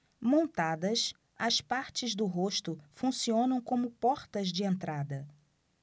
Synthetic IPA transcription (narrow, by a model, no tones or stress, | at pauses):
mõnt̪ad̪ɐs | ɐspaɾt͡ʃɪzd̪ʊɦoʃt̪ʊfũsiõnɐ̃w̃kõmʊpɔɾt̪ɐzd͡ʒɪẽnt̪ɾad̪ɐ